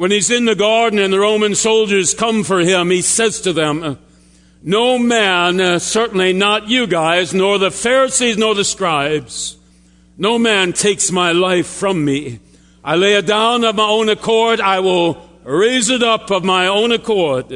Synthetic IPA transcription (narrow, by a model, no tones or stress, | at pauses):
wə̃nizɨ̃nðɨɡɑɹdⁿn̩ɨ̃nðɨɹõʊ̃mɨ̃nsoʊlˠd͡ʒə˞z̥kʰʌ̃ɱfə˞ɪ̃misɛz̥tʰɨðɨ̃m | noʊmæ̃nsɜ˞ʔn̩linət͡ʃɨɡaɪznɔɹðɨfɛɹɨsiznɔɹðɨstɹ̥aɪbz̥ | noʊmæ̃ntʰeɪksmaɪlaɪfɹʌ̃mːi | ʔaɪleɪɨdãʊ̃nʌvmaɪõʊ̃nɨkʰɔɹɾaɪwɪlˠ | ɹeɪzɨɾʌpʌvmaɪõʊ̃nɨkʰɔɹd̥̚